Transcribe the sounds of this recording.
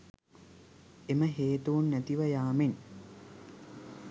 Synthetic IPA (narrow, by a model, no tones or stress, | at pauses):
eməɦeːt̪uːnːæt̪iʋəjaːmen